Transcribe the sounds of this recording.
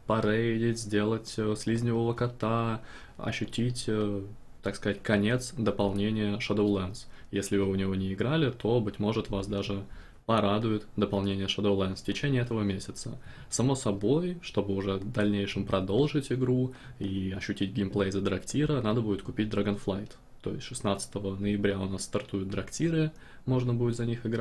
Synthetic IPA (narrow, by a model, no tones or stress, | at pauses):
pɐɾejdʲɪtʲzʲdʲe̞lˠətʲəsʲlʲizʲnʲɪvəvəkɐt̪a | ɐ̰ɕːʉtʲitʲə | t̪akskɐzatʲkɐnʲe̞t̪sd̪əpɐlˠnʲenʲɪjəʂɐd̪əwlˠɛnsjesʲlʲɪvɨʊnʲɪvo̞nʲɪɪɡɾalʲɪt̪ʰo̞bɨtʲmo̞ʐɨt̪vasd̪aʐɨ | pɐɾad̪ʊjɪt̪d̪əpɐlˠnʲenʲɪjəʂəd̪əwlˠɛnsfʲtʲɪt͡ɕenʲɪjəɛt̪əvəmʲesʲɪt̪sə | sɐmo̞sɐbo̞jʂt̪o̞bɨʊʐɛd̪ɐlʲnʲejʂɨmpɾɐd̪o̞lˠʐɨtʲɪɡɾuiɐɕːʉtʲid̚ʲɡʲɪmplˠejzəd̪ɾɐktʲiɾənad̪əbudʲɪt̪̚kʊpʲit̚ʲd̪ɾɐɡənflˠajt̪ːo̞jɪsʲʂɨsnat̪sə̥t̪əvənəɪbɾʲaʊnasːt̪ɐrt̪ujʊt̪̚d̪ɾɐktʲiɾɨ | mo̞ʐnəbudɪt̪zɐnʲixɪɡɾa